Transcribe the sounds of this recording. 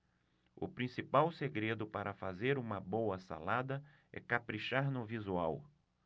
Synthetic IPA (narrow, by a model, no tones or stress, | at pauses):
ʊ̰pɾĩsipawseɡɾed̪ʊpaɾʔɐfazeɾũmɐbowɐsa̰lad̪ɐ | ɛ̰kapɾiʃaɾnʊvizuaw